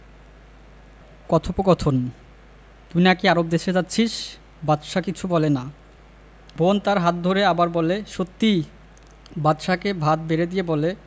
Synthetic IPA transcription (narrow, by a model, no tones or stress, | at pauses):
kɔt̪ʰopokɔt̪ʰon | t̪uniakiaɾob̚d̪eʃed͡ʑatːɕʰiʃ | bat̪ːʃakit͡ɕʰubɔlena | bont̪aɾɦat̪̚d̪ʱoɾeabaɾbɔleʃot̪ːi | bat̪ʃakebʱad̪beɾed̪ijebɔle